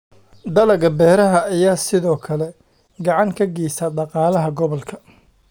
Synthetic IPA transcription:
d̪ɐlɐɣɐbɛːɾɐɦɐːjaːsɪðɔːkʰɐlɛ | ɡɑʕɑŋkʰɐɡiːsɐɖɑqɑːlɐɦɐɡɔβɔlkʰɐ

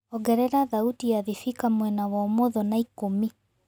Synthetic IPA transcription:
ɔɡɛɾɛɾaðautiaðifikamwɛnawɔmɔðɔnaikomi

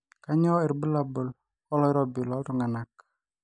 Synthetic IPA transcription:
kaɲɔiɾbəlabəl | ɔlɔiɾɔbilɔlɾuŋanak̚

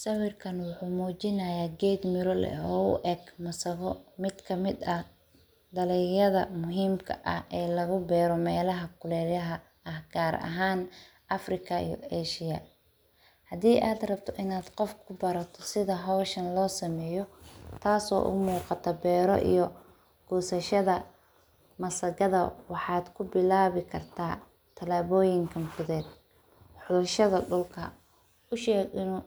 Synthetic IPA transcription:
sɐwɪrkʰɐnwʊħuːmɔːt͡ʃɪnɐjaːɡɛd̪mɪɾɔlɛ̰ɔːʊ̰ʔɛɡmɐsɐɣɔmɪd̪kʰɐmɪd̪ɐh | d̪ɐlɛjɐðɐmʊɦiːmkʰɐ̰ʔɐ̰hɛːlɐɣʊbɛːɾɔmɛːlɐɦɐkʰʊlɛːɾjɐɦɐ | ɐhɡ̥aːɾɐ̰ɦaːn | ʔɐfrɪkʰɐḭjɔ̰ɛːʃɪjɐ̰ | hɐd̪iːʔaːd̪rɐbt̪ʰɔʔɪnaːd̪qɔfkʰʊbɐɾɐt̪ʰɔsɪðɐɦɔwʃɐnlɔːsɐmɛːjɔt̪ʰaːsɔ̰ːʔʊ̰muːqɑt̪ʰɐbɛːɾɔ̰ʔḭjɔ | ɡ̥ɔːsɐʃɐðɐ | mɐsɐɣɐðɐwɑħɑːd̪kʰʊbɪlaːβɪkʰɐrt̪ʰaː | t̪ʰɐlaːβɔːjɪŋkʰɐnfʊðɛːd̪̚ | ħʊðʊʃɐðɐɖʊlkʰɐ | ʊʃɛːɡɪnuː

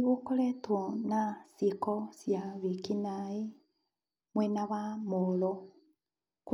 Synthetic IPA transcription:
ɣokoletonasikosjaβikinae | mwenaβamolo | k

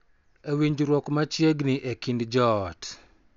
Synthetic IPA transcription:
ewiɲd͡ʒɾwɔkmat͡ʃjeɡniʔekindd͡ʒɔːt

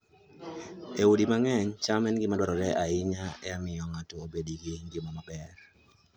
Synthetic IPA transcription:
eudimaŋɛɲt͡ʃamɛnɡɪmadwaɾɔɾɛʔaɪɲaɛamɪjɔŋatɔːbediɡiŋɡɪmɔmabɛr

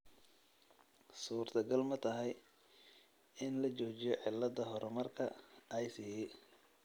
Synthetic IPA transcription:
suːrt̪ʰɐɡɐlmɐt̪ʰɐɦɛj | ɪnlɐt͡ʃɔːt͡ʃɪjɔʕɪlːɐd̪ɐɦɔɾɔmɐrkʰɐ̰ːjsiːjɛ

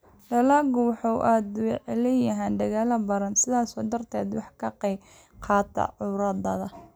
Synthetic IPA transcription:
lɐlɐɡʊwħɑwʔaːd̪wlɛjɐɦaːnɖ̪ɐɣaːlɐbɐɾɐnsɪðaːsɔːd̪ɐrt̪ʰɛːd̪wɑħkʰɐqɛ | qʰɑːt̪ʰɐ̰ʕʊɾɐd̪ɐðɐ

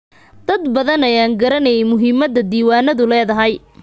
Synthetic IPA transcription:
d̪̥ɐd̪bɐðɐnɛjaːŋɡɐɾɐnɛjɛjmʊɦɪmɐðɐd̪iːwaːnɐðʊlɛːðɐɦɛj

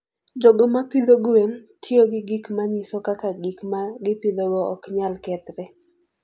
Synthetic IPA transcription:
d͡ʒɔɡɔmapɪd̪oɡwentʰjoɡɪɡikmaɲisɔkakaɡikmaɡɪpɪd̪oɡɔɔ̰kɲalkɛt̪ɾɛ

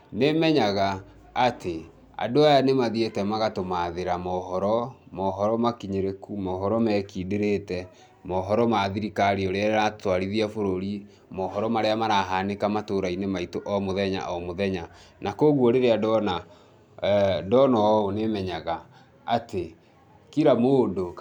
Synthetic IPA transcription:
nemɛɲaɣaː | te | a̰doajanemaðietɛmaɣatomaðeɾamɔɦɔɾɔmɔɦɔɾɔmakiɲeɾekumɔɦɔɾɔmɛkiːdeɾetɛ | mɔɦɔɾɔmaðiɾikaɾiɔɾeaeɾatwaɾiðiafoɾoɾi | mɔɦɔɾɔmaɾeamaɾaɦanekamatoɾainemaitoʔɔmoðɛɲa̰ʔɔmoðɛɲa | nakoɣwoɾeɾeadɔna | dɔnɔonemɛɲaɣa | ate | kiɾamoːdo

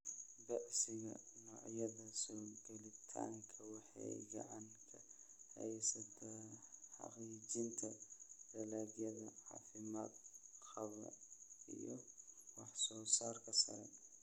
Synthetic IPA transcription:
bɐʕsɪɣɐ̰no̰ːʕjɐðɐsunɡɐlɪt̪ʰa̰ːŋkʰɐwɐħḛɡɐ̰ʕankʰɐhɐjsɐt̪ʰɐħa̰qiːd͡ʒɪnt̪ʰɐdɐlaːɡjɐðɐʕa̰ːfɪmaːd̪xɐβɐ̰ɪ̰jɔwɑħsɔːsaːɾkʰɐsɐ̰ɾɛ̰n

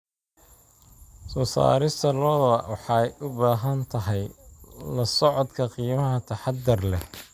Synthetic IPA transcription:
sɔːsa̰ːɾɪst̪ʰɐlɔːðwɑħɑjʔʊbaːɦɐnt̪ʰɐɦɛjlɐsɔʕɔd̪kʰɐqiːmɐɦɐt̪ʰɐħɑd̪ɪrlɛh

